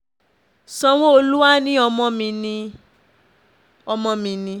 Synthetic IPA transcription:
sɔ̃˧w̃ɔ̃˦o˧lu˦wa˦nĩ˦ɔ˧mɔ̃˧mĩ˧nĩ˧ | ɔ˧mɔ̃˧mĩ˧nĩ˧

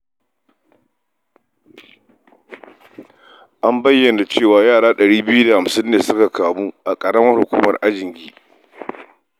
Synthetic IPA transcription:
ʔa˦mbɐ˦jːɐ˨na˨t͡ʃeː˦˨waː˨jaː˦˨ɽaː˦ɗɐ˨ɽiː˦bɪ˦ju˦da˨ha˨msɪ˦nːeː˨sʊ˦ka˨kaː˨muː˦ʔa˨kʼɐ˨ɽɐ˦mɐ˦rhʊ˨kʷṵː˦mɐ˨rʔa˦d͡ʒɪ˨ŋɡʲiː˦

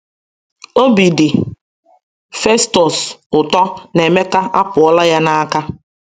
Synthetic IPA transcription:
o˦bi˨dɪ˨ | fe˦stɔ˨sʊ˨tɔ˦ne˨me˦ka˦ʔa˦pʊ˨ɔ˦la˦ja˦na˦ka˦

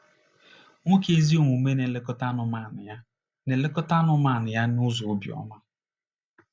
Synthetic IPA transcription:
ŋʷo˦ke˦zi˦o˦˨ŋʷu˨me˦ne˨le˦kɔ˦ta˦nʊ˨ma˨nɪ˨ja˦ | ne˨le˦kɔ˦ta˦nʊ˨ma˨nɪ˨ja˦nʊ˦zʊ˨˦bj̰ɔ̰˦ma˦

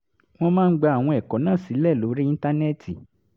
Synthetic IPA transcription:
w̃ɔ̃˦mãː˦n̩˦ɡ͡ba˧a˨w̃ɔ̃˧ɛ˨kɔ˨˦nã˦˨si˨˦lɛ˦˨lo˨˦ɾi˦ĩ˦nta˦nɛ˦˨tʰi˨

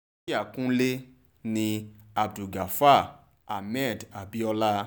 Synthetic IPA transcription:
a˦˨kũ˦le˦ | nĩ˧a˨bdu˨ɡa˨fa˦˨ | a˨mɛ˦˨da˨bi˨˦ɔ˧la˦

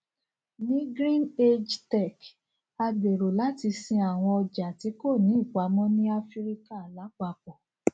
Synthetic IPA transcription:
nĩ˦ɡɾĩ˦ne˦d͡ʒtɛ˦˨k | a˧ɡ͡be˨ɾo˨la˨˦ti˧sĩ˧a˨w̃ɔ̃˧ɔ˧d͡ʒa˨ti˨˦ko˦˨nĩ˨˦i˦˨k͡pa˨˦mɔ̃˦nĩ˦a˦fi˦ɾi˦ka˦˨la˨˦k͡pa˧k͡pɔ˨

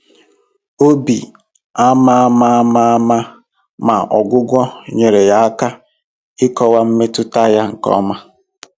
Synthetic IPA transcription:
o˦bi˨ | a˦ma˦a˦ma˦a˦ma˦a˦ma˦ | ma˨ɔ˨ɡʷʊ˦ɡʷɔ˦ɲe˨ɾe˨ja˨a˦ka˦ | ɪ˦kɔ˦wa˦m̩˦me˦tʊ˦ta˦ja˦ŋ̩˨kɔ̰˦ma˦

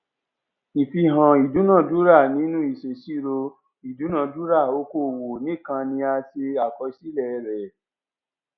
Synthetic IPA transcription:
i˨fi˧ɦã˨i˨du˨˦nã˦˨du˦ɾa˦˨nĩ˦nũ˦i˦˨ʃe˨ʃi˦ɾo˧ | i˨du˨˦nã˦˨du˦ɾa˦˨o˨˦ko˦˨wo˨nĩ˨˦˨kã˧nĩ˧a˧se˧a˨kɔ˧ʃi˦lɛ˦˨˧ɾɛ˨

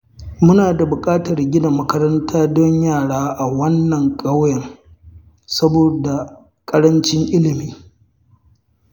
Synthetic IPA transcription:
mʊ˦naː˨da˨bʊ˨kʼaː˦tɐ˨rɡʲɪ˦da˨mɐ˦kɐ˦ɾɐ˦ntʰaː˦dɔ˦ɲjaː˦˨ɽaː˦ʔa˨wɐ˦nːɐ˨ŋkʼɐ˦wjɐ˨ŋ | sɐ˦boː˨da˨ | kʼɐ˦ɽɐ˦nt͡ʃɪ˦ŋʔɪ˦lɪ˨miː˦

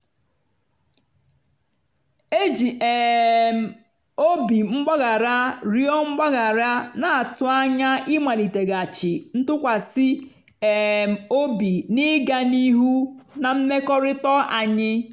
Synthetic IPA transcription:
e˦d͡ʒi˨ʔɛ˨m̩˨ | o˦bi˨ŋ͡m̩˦ɡ͡bɔ˦ɣa˨ɾa˦ɾi˦ɔ˦ŋ͡m̩˦ɡ͡bɔ˦ɣa˨ɾa˦na˨a˨tʊ˨a˦ɲa˦ɪ˦ma˨li˨te˨ɡa˨t͡ʃɪ˨n̩˦tʊ˦kʷa˨sɪ˦ | ɛ˨m˨o˦bi˨nɪ˦ɡa˨ni˦ɦu˦na˨m̩˦me˦kɔ˦ɾɪ˦tɔ˦ʔa˨ɲɪ˦

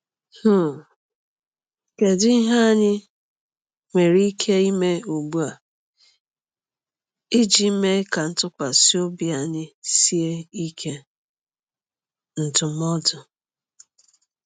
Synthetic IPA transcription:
hʊ˦˨ | ke˨dʊ˦i˦ɦa˦˨ɲɪ˦ | ŋʷe˨ɾi˦kʰe˦i˦me˦o˨bu˦a˨ | i˦d͡ʒi˨˦me˦ka˨n̩˦tʊ˦kʷa˨si˦o˦bi˦a˨ɲɪ˦si˦e˦i˦kʰe˦ | n̩˨tʊ˨mɔ˦dʊ˨

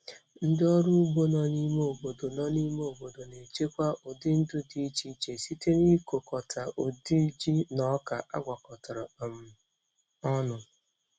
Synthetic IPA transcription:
n̩˦dɪ˦ɔ˦ɾu˦ɡ͡bo˦nɔ˦ni˦me˦o˨bo˨do˨nɔ˦ni˦m˦o˨bo˨do˨ne˨t͡ʃe˦kʷa˦ʔʊ˨dɪ˦n̩˦dʊ˦di˦t͡ʃi˦t͡ʃe˨si˦te˦ni˦ko˨kɔ˨tʰa˨ʔo˨di˦d͡ʒi˦nɔ˦ka˨ʔa̰˦ɡʷa˨kɔ˨tɔ˨ɾɔ˨m̩˨ | ɔ˦nʊ˨

